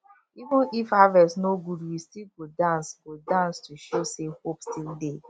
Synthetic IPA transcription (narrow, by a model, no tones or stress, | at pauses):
ivʊ̃nifavɛsnoɡudwistilɡodãnsɡodãnstuʃosehopstʰilde